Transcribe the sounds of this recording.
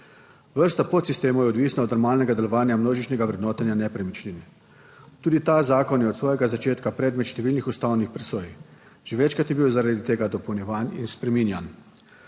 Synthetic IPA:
ʋəɾst̪apɔt̪sist̪eːmɔjɛɔd̪ʋiːsnaɔd̪nɔɾmaːlnɛɡad̪ɛlɔʋaːnjamnoːʒit͡ʃnʲɛɡaʋɾɛd̪nɔːt̪anjanɛpɾɛmit͡ʃninɛ | t̪uːd̪it̪azaːkɔnjɛɔt̪sʋɔːjɛɡazat͡ʃeːt̪kapɾɛːd̪mɛt̪ʃt̪ɛʋiːlnixust̪awnixpɾɛsoːj | ʒ̥eʋɛt͡ʃkɾat̪jɛbiwzaɾad̪it̪eːɡad̪ɔpɔwnjɛʋanḭnspɾɛminjan

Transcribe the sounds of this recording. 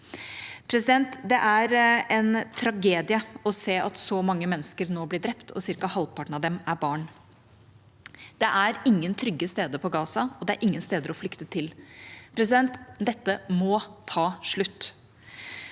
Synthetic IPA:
pʰɾɛsɪd̪ɛnt̪d̪ɛʔæɾɛnt̪ʰɾɑɡeːd̪ɪəɔseːʔɑt̪sɔmɑŋːəmɛnːəskəɾnoːblɪɖɾɛpt̪ʰɔ̰sɪɾkɑhɑlpʰɑʈɳ̩ɑʋd̪ɛmæɾbɑːɳ | d̪̥ɛʔæɾɪŋːənt̪ʰɾʏɡːəst̪eːd̪əpʰɔɡɑːsɑɔd̪ɛæɾʔɪŋːənst̪eːd̪əɾɔflʏkt̪ət̪ʰɪlpʰɾɛs̬ɪd̪ɛnt̪d̪ɛt̪ːəmɔt̪ʰɑːʂɭʉt̪ː

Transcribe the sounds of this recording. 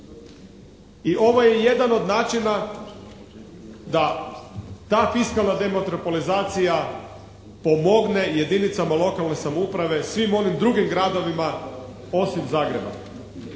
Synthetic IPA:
iʔo̞ʋo̞je̞je̞d̪ano̞d̪naːt͡ʃina | d̪a | t̪aːfiskalˠnad̪e̞mot̪ɾopolizaːt̪sija | po̞mo̞ɡne̞je̞d̪init̪samalo̞kalˠne̞samoupɾaʋe̞sʋimo̞nimd̪ɾuɡimɡɾad̪o̞ʋima | o̞simzaːɡɾeba̰

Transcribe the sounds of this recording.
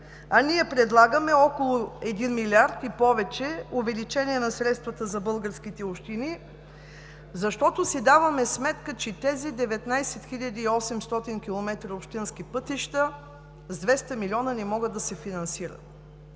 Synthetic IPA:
ɐniɛpɾɛd̪lˠaɡəmɛɔkolˠʊɛd̪inmilʲiaɾt̪ipɔvɛt͡ʃɛovɛlit͡ʃɛniɛnɐsɾɛt̪st̪vɐt̪əzɐbɤlˠɡəɾskit̪ɛopʃt̪ini | zɐʃt̪ɔt̪ʊsid̪avɐmɛsmɛt̪kət͡ʃɛt̪ɛzid̪ɛvɛt̪najsɛt̪xiʎʲɐd̪iːɔsɛmst̪ɔt̪inkʲilˠomɛt̪ɾəopʃt̪inskipɤt̪iʃt̪ə | zd̪vɛst̪ɐmilʲɔnənɛmɔɡəd̪ːɐsɛfinɐnsiɾə̰t̪

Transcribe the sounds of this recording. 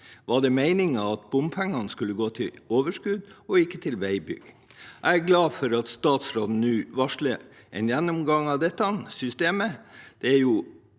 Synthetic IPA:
ʋɑɖɛmæɪnɪŋɑʋɑt̪̚bʊmfʰæŋːɑnskʉlːəɡoːt̪ʰɪloːʋəʂkʉd̪ɔɪkːət̪ʰɪlʋæɪbʏ̰ɡ | ʔæɪæɾɡlɑːfɔɾɑt̪st̪ɑːt̪sɾoːln̩nʉːʋɑʂɭə | ʔɛ̰njænːɔmɡɑŋɑd̪ɛt̪ːɑnsʏst̪eːməd̪̥ɛæɾjʊ

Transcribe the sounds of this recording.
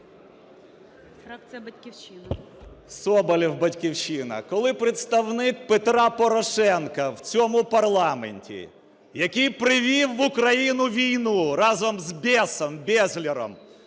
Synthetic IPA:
kjbɐkʲt͡ʃɪn | sɔbɐlʲiwbɐtʲkʲiwt͡ʃɪnɐ̰kɔlˠɪpɾet̪st̪ɐwnɪk̚pet̪ɾɑpɔɾɔʃɛnkɐwt͡sʲɔmʊpɐrlˠɑmḛnʲtʲḭ | jɐkijpɾɪʋʲiwːʊkɾɐjinʊʋʲijnuɾɑzɔmzbʲɛsɔmbʲɛzʲlʲiɾɔ̰m

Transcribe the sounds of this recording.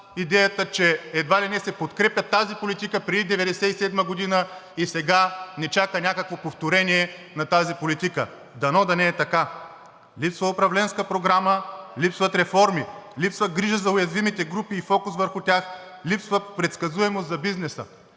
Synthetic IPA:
id̪ɛjɐt̪ət͡ʃɛɛd̪valinɛsɛpot̪kɾɛpjʲɐt̪ːazipolit̪ikəpɾɛd̪id̪ɛvɛd̪ɛsɛisɛd̪məɡod̪inəisɛɡanɛt͡ʃakənʲakəkvokpoft̪oɾɛniɛnɐt̪azipolit̪ikə̰ | d̪ɐnɔd̪ɐnɛːt̪ɐka | lipsvɐʊpɾɐvlɛnskəpɾoɡɾaməlipsvɐt̪ɾɛfɔɾmilipsvɐɡɾiʒəzɐʊjɐzvimit̪ɛɡɾupiːfɔkʊsvəɾxʊt̪ʲax | lipsvəpɾɛt̪skɐzuɛmost̪zɐbiznɛsə̰

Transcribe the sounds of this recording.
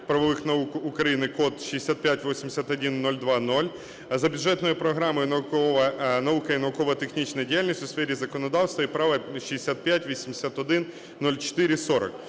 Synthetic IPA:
pɾɐʋɐʋɪxnɐukʊkɾɐjinɪkɔt̪ʃijesʲat̪̚pʲjatʲʋɔsʲimd̪esʲat̪ɔdʲinːɔlʲd̪ʋɑnɔlʲ | zɐbʲʊdd͡ʒɛt̪nɔjʊpɾɔɦɾɑmɔjʊnɐkɔɐnɐukɐinɐʊkɔʋɐt̪exnʲit͡ʃnɐjdʲijalʲnʲisʲtʲʊsfɛɾʲizɐkɔnɔd̪ɑwst̪ʋɐipɾɑʋɐʃiesʲat̪̚pʲjatʲʋʲisʲimd̪esʲat̪ɔd̪ɪnː | ɔlʲt͡ʃɪ̥t̪ɪɾʲɪsɔɾɐ̰k

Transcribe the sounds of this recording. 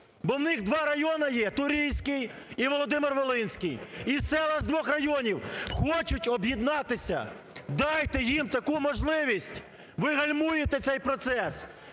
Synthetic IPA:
bɔwnɪɣd̪ʋɑɾɐjɔnɐjɛt̪ʊɾʲijsʲkɪj | iʋɔlˠɔd̪ɪmɪrʋɔlˠɪnʲsʲkɪjisɛlˠɐzd̪ʋɔxrɐjɔnʲiwxɔt͡ʃʊtʲɔbjid̪nɑt̪ɪsʲɐ̰ | d̪ɑjt̪ɛjimt̪ɐkumɔʒlˠɪʋʲisʲtʲ | ʋɪɦɐlʲmujet̪ɛt̪sɛjpɾɔt̪sɛs

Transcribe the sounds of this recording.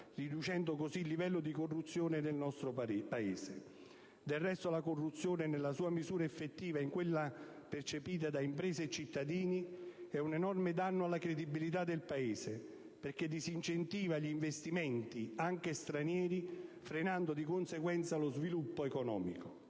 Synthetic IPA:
rid̪ut͡ʃɛnd̪ʊkosilːivɛlːʊd̪ikorːut̪sːjoːned̪elnɔst̪ɾopaeːse | d̪elrːɛst̪olakorːut̪sːjoːnenelːasuːamizuːɾaefːet̪ːiːvaiŋkwelːapert͡ʃepiːt̪̬ad̪aimpɾeːseːt͡ʃːit̪ːad̪iːniɛunenɔrmed̪anːʊalːakɾed̪ibilit̪̬ad̪ːelpaeːze | perked̪isint͡ʃent̪iːvaʎiɱvest̪imɛnt̪iaŋk̟est̪ɾanjɛːɾifɾenand̪od̪ikonseɡwɛnt̪salozvilupːoekɔnɔ̰ːmiko

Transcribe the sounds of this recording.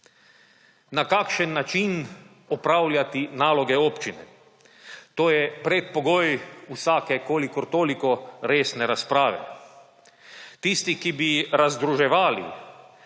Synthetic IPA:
nakaːkʃɛnːat͡ʃin | ɔpɾawlʲjat̪inaːlɔɡɛoːpt͡ʃinɛ̰ | t̪oːjɛpɾɛt̪̚pɔɡoːjusaːkɛkoːlikɔɾt̪oːlikɔɾeːsnɛɾaspɾaːʋɛ̰ | t̪ist̪ikibiɾazd̪ɾuʒɛʋaːlḭ

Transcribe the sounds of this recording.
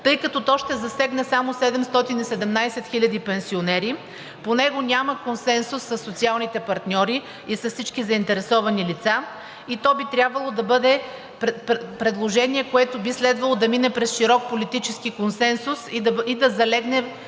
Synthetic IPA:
t̪ɤjkɐt̪ɔt̪ɔʃt̪ɛzɐsɛɡnɛsamosɛd̪ɛmst̪ɔt̪inisɛd̪ɛmnajsɛt̪xilʲɐd̪ipɛnsionɛɾi | ponɛɡonʲaməkonsɛnsʊsːɐsːot̪sialˠnit̪ɛpɐɾt̪nʲɔɾi | isɐfsit͡ʃkizɐint̪ɛɾɛsɔvɐnilit̪sa | it̪ɔbit̪ɾʲjabvɐlˠod̪ɐbɤd̪ɛ | ppɾɛd̪lˠoʒɛniɛkoɛt̪obislɛd̪vɐlˠod̪ɐminɛpɾɛsʃiɾɔk̚polit̪it͡ʃɛskikonsɛnsusid̪ɐzɐlɛɡnɛ

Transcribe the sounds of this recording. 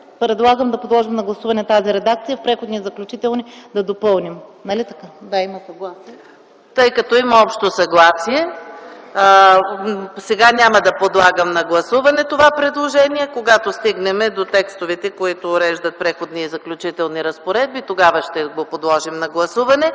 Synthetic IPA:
pɾɛd̪lˠaɡəmd̪ɐpod̪lˠɔʒimnɐɡlˠɐsuvɐnɛt̪aziɾɛd̪akt̪sijəfpɾɛxod̪niɛzɐklʲut͡ʃit̪ɛlˠnid̪ɐd̪opɤlˠnimnɐlit̪ɐkad̪aimɐsɐɡlˠas | t̪ɤjkɐt̪ɔimɐɔpʃt̪osɐɡlˠasiɛ | sɛɡanʲamɐd̪ɐpod̪lˠaɡəmnɐɡlˠɐsuvɐnɛt̪ovapɾɛd̪lˠoʒɛniɛkoɡat̪ost̪iɡnɛmɛd̪ot̪ɛkst̪ovɛt̪ɛkoit̪ʊːɾɛʒd̪ɐt̪̚pɾɛxod̪niɛzɐklʲut͡ʃit̪ɛlˠniɾɐspoɾɛd̪̚bit̪oɡavɐʃt̪ɛɡopod̪lˠɔʒimnɐɡlˠɐsuvɐnɛ

